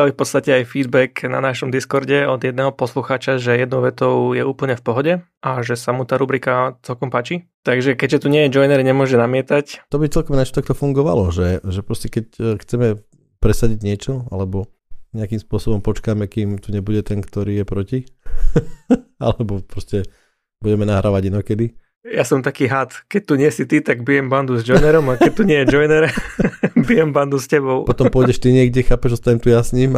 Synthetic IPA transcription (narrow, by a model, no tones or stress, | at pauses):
aifpɔt̪st̪acɛajfiːd̪bɛkna̰naʃɔmd̪iskɔɾɟɛɔd̪jɛd̪nɛːɦɔpɔsluxaːt͡ʃaʒɛjɛd̪nɔʊʋɛt̪ɔʊjɛuːpl̩ɲɛfpɔɦɔɟɛ | ʔaʒɛsamut̪aːɾubɾikat͡sɛlkɔmpaːt͡ʃit̪aɡʒɛkɛɟʒɛt̪uɲɪɛjɛd͡ʒɔjnɛɾiɲɛmʊɔʒɛnamɪɛt̪act̪ɔbit͡sɛlkɔmnat͡ʃat̪ak̚t̪ɔfuŋɡɔʋa̰lɔʒɛʒɛpɾɔscɛkɛcxt͡sɛmɛ | pɾɛsaɟiɟɲɪɛt͡ʃɔa̰lɛbɔ | ɲɛakimspʊɔsɔbɔmpɔt͡ʃkaːmɛkiːmt̪uɲɛbuɟɛt̪ɛnkt̪ɔɾiːjɛpɾɔci | a̰lɛbɔpɾɔscɛ | buɟɛmɛnaɦɾaːʋaɟinɔkɛd̪i | jasɔmt̪akiːɦat̪kɛc̚t̪uɲɪɛsit̪it̪aɡbijɛmband̪uzd͡ʒɔjnɛɾɔmakɛc̚t̪ːuɲɪɛjɛd͡ʒɔjnɛɾ | bijɛmband̪uscɛbɔʊpɔt̪ɔmpʊɔjɟɛʃt̪iɲɪɛɡɟɛxaːpɛʒɔst̪aɲɛmt̪ujasɲim